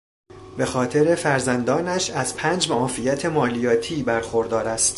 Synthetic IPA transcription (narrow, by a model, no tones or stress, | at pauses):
be̞xɒːt̪ʰe̞ɾe̞fæɾzænd̪ɒːnæʃæzpʰæːnd͡ʒmoɒːfijæt̪ʰe̞mɒːlijɒːt̪ʰiːbæɾxo̞ɾd̪ɒːɾæst̪